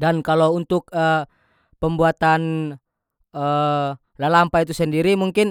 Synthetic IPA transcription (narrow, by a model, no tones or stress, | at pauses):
dankalount̪ʊk̚ə | pəmbuat̪an | ə | lalampait̪̬usəndiɾimuŋkɪn